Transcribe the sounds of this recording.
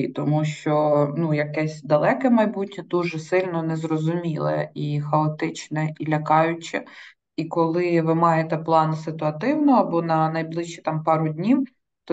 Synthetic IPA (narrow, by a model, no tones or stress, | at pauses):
it̪ɔmuʃt͡ʃɔnujɐkɛsʲd̪ɐlˠɛkɛmɐjbutʲnʲɐd̪uʒɛsɪlʲnɔnɛzrɔzʊmʲilˠɛ̰ixɐɔt̪ɪt͡ʃnɛilʲɐkɑjʊt͡ʃɛ̰ | ikɔlˠɪʋɪmɑjet̪ɛplˠɑnsɪt̪ʊɐt̪ɪwnɔɐbɔnɐnɐjblˠɪʃt͡ʃːit̪ɑmpɑɾʊdʲnʲiw | t̪ɔ